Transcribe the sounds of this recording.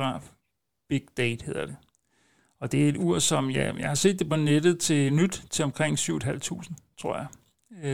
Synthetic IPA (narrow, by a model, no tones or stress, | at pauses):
ʁɑ̰̈ːf | b̥eɡ̥d̥ɛɪd̥he̝ð̞̰ˠɐd̥e̝ | ɒ̽d̥e̝æe̝d̥uɐ̰sɒ̽mjæ̰jɑ̈ɪhɑ̈se̝̰ːd̥ːe̝pʰɒ̽ned̥ð̩ˠt͡sʰe̝nyd̥t͡sʰe̝lɒ̽mkʰʁeŋ̰syʊed̥ɦæl̰t͡sʰṵːsn̩t͡sʰʁo̝ɐ̰jɑ̈ɪ